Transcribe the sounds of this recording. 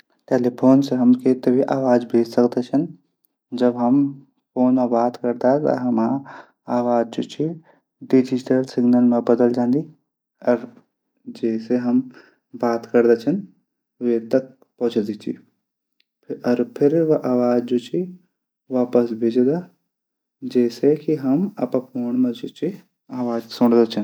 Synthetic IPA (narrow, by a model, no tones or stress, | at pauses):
ʈeːlipʰoːnseɦɐmket̪ɐbʱiʔaːʋaːd͡ʒbʱeːd͡ʒsəkd̪et͡ʃʰən | d͡ʒəbɦəm | pʰoːnmebaːt̪kəɾd̪aɦɛt̪ɦɐma | aːʋaːd͡ʒd͡ʒot͡ʃʰi | ɖid͡ʒiʈəlsɪɡnəlmẽbəd̪əld͡ʒãːnd̪i | ɔɾ | d͡ʒeːseɦɐm | baːt̪kɐɾd̪at͡ʃʰən | ʋet̪ɐk̚ | pɔɦt͡ʃʰd̪it͡ʃʰḭ | ɐɾpʰɪɾʔaːʋaːd͡ʒd͡ʒut͡ʃʰi | ʋaːpəsbʱɪd͡ʒd̪a | d͡ʒeːsekiɦɐmɐpãpʰoːɳmẽd͡ʒut͡ʃʰi | aːʋaːd͡ʒsʊɽ̃d̪at͡ʃʰən